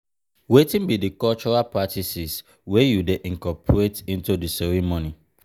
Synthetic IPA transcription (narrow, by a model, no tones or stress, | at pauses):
wetĩnbidikɔlt͡ʃɔɹalpatisis | wejudeʔĩŋkɔpʰɹetĩntudisɛɹimoni